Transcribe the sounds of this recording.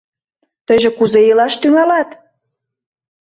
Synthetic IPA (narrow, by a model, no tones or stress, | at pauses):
t̪əʒĕkuzejəlɑʃt̪yŋɑlɑt̪